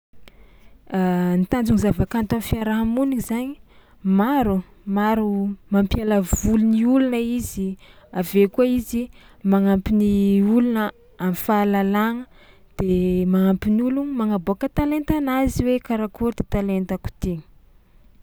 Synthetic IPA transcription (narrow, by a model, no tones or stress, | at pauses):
ant̪and͡ʒuŋizavakant̪amfiaɾaɦamunizaɲi | maɾu | maɾumampialavuluniulunəiziavekuaizi | maŋampiniulunə | amfalalaŋə | d̪̥emaŋampinulunimaŋaboakət̪alent̪anaziwekaɾakoɾd̪̥et̪alent̪aku̥t̪i̥